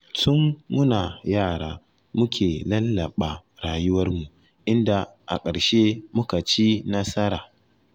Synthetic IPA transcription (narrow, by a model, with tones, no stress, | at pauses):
sʊ˦ŋːʊ˦naː˨jaː˦˨ɽaː˨ | mʊ˦kʲʰeː˨lɐ˦lːa˨ɓa˨ɽaː˨jʊ˦wɐ˦rmu˨ | ʔɪ˦nda˨ʔa̰˨kʼɐ˨ɽʃe˦mʊ˦ka˨t͡ʃiː˦na˦sɐ˦ɾaː˨